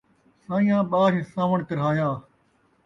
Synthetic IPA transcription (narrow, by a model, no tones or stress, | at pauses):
sãːĩːãːɓaːɾsãːʋəɳ̃k̪ɐɾɦaːjaː